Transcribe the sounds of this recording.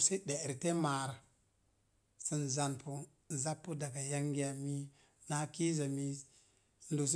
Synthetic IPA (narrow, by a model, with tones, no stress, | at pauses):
se˦de˨ɾi˨te˦ma˨ɾa˨ | si˨n˨za˨npu˦ | n̩˨za˦pːu˦da˨ɡa˨ja˦ŋɡi˦ja˨mi˦ | na˨˦ki˦za˨mi˦˨ | ndo˨s̬